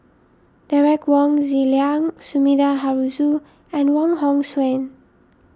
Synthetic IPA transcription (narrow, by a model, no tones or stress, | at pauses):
d̥aɹɛkwɔ̃ŋziliãŋsumidaɦaɹuzu | ɛ̃nwɔ̃ŋɦɔ̃ŋswɛ̃n